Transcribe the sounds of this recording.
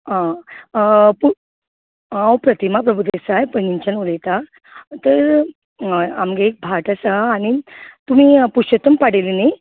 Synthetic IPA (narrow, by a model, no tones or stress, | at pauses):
ɦã | pu | ãwpɾət̪imapɾəbʱud̪esajpəniɲt͡ɕənuləjt̪a | t̪əɾ | amɡeek̚bʱaʈasaːñit̪um̤iːpuɕət̪əmpaɽelini